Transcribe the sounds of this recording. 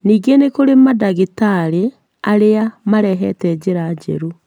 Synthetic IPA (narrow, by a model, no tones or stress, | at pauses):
niːɡenekoɾemadaɣetaɾe | aɾeamaɾɛɦɛtɛd͡ʑeɾad͡ʑɛ̰ɾu